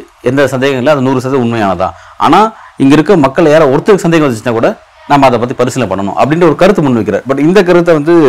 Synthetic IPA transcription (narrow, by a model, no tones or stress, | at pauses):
ɛnd̪ɐsɐnd̪eːɣɐmɪlːɐ̃ɐðɐnuːrɯs̬ɐðʊɳmɐjaːnɐt̪ã̰ː | a̰ːnaːɪŋɡɐɪɾɯkːɐmɐkːɐɭjaːɾɐɔɾɯt̪ːɯɾkɯsɐnd̪eːɣɐ̃ʋɐt͡ʃːnːaːkuːɽɐ | naːmːɐɐðɐpaːt̪ːipɐɾɯsɪnɪlɐpɐɳːɐnʊ̰̃ʔɐ̰pːɐɽɪnɖrɐɔɾɯkɐɾɯt̪ːɯmʊnːɯʋɛkːɪɾa̰ːɾbɐʈːɪnd̪ɐk̬ɐɾɯt̪ːɐʋɐnd̪ɯ